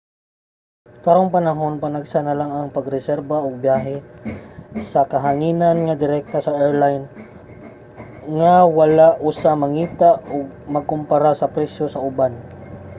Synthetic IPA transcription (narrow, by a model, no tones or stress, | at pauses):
t̪aɾoŋpɐnɐɦo̞npanaɡsanɐlaŋɐŋpɐɡɾɛsɛɾbaʔoɡ̚bjaːɦɛ | sɐkɐɦaŋiːnanŋɐd̪ɪɾɛk̚t̪asɐʔɛɹlajn | ŋawɐlaʔʔusamɐŋiːt̪aoɡ̚mɐɡ̚kʊmpaɾasɐpɾɛsjosɐʔʊban